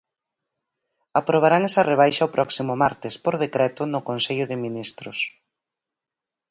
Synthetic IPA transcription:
apɾoβ̞aɾaŋɛsɐreβ̞ajʃɐʊpɾɔksimʊmaɾt̪ɪspoɾðekɾɛt̪ʊnʊkonseʎʊðɪminist̪ɾʊs

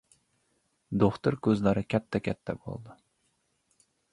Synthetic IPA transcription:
d̪oχt̪ʊɾkʲʰøzlæɾɨkʲʰɛt̪ʰːɛkʲʰɛt̪ʰːɛbo̰lˠd̪ɨ

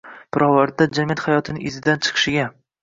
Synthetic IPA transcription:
pʰɪɾʔɒvaɾd̪ad͡ʒamijat̪χajɒt̪ʰɪnɪʔɪzɪd̪ant͡ʃʰɨ̥qʰɨ̥ʃɪɡʲa

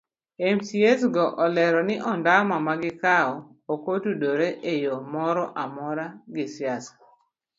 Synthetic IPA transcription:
emsiesɡɔʔɔlɛɾɔnɪʔɔndamamaɡɪkaɔ | okotudoɾeʔejomɔɾɔʔamɔɾaɡɪsjasḁ

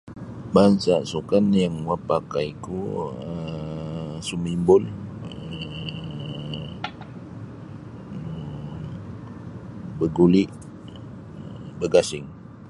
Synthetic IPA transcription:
bansasukanjaŋwapakajikuə | sumimbʊlə | bəɡuliʔ | bəɡasɪŋ

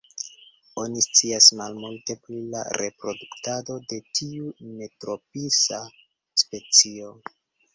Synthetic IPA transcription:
o̞nist͡siasmalmulte̞pɾila̰ɾe̞pɾo̞duktado̞de̞tʰiume̞tɾo̞pisa | spe̞t͡sio̞

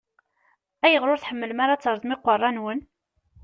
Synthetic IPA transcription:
æjəʁɾʊɾθħəmːələmaɾat͡sːəɾˤðˤmɪqːərˤːɑnwən

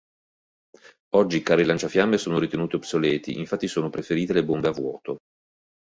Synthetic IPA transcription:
ɔd͡ʒːikaːɾelant͡ʃafjamːesoːnoɾit̪enuːt̪eobsoleːt̪ḭʔiɱfat̪ːisoːnopɾefeɾiːt̪elebombeavwɔ̰ːt̪o

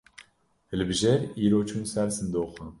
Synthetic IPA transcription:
hɨlbɨʒɛɾiːɾoːt͡ʃʰuːnsæɾsɨnd̪oːxə

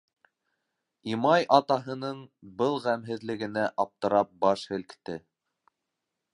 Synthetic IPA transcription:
imɑjʔɑt̪ɑɦɤ̆nɤɴbɤlˠʁæmɦɘ̆ðlɘ̆ɡɘ̆næʔɑp̚t̪ɤ̆ɾɑp̚bɑʃhɘ̆lkt̪ɘ

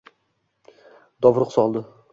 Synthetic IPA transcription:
d̪ɒvɾʊqsɒlˠd̪ɪ

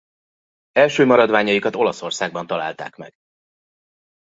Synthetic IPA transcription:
ɛlʃøːmɒɾɒd̪ʋaːɲɒjikɒt̪o̞lɒso̞rsaːɡ̚bɒnt̪ɒla̰ːlt̪a̰ːkmɛ̰ɡ̥

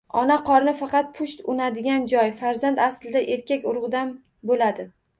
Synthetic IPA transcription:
ɒnaqʰɒɾnɪfɑqɑt̪̚pʰʊʃt̪ʊnad̪ɪɡʲand͡ʒɒjfaɾzant̪aslɪd̪aʔe̞ɾkʲakʲʊɾʁʊd̪am | bolad̪ɪ

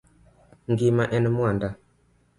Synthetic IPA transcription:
ŋɡimaʔɛnɛmwanda

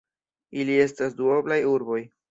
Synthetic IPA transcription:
ilie̞stasduo̞blajuɾbo̞j

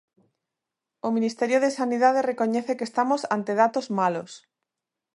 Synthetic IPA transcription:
omĩnist̪eɾjoðesaniðað̞erekoɲeθekest̪amosant̪eðat̪ozmalos

